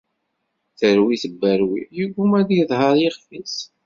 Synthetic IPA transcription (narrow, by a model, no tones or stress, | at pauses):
θəɾwiθəbːæɾwijuɡumæðijðˤhəɾˤjeχfis